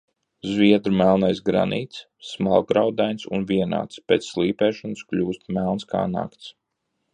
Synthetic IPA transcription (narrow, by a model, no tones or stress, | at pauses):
zviɛd̪ɾumælˠnajsɡɾa̰niːt̪sː | malˠɡɾawd̪ajnsunviɛna̰ːt̪speɛːt̪sːlˠiːpɛːʃɔnsklʲuːst̪mɛlˠnskʰa̰ːna̰kt̪s